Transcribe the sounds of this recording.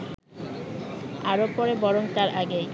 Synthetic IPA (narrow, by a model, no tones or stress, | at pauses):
aɾopɔɾebɔɾont̪aɾʔaɡej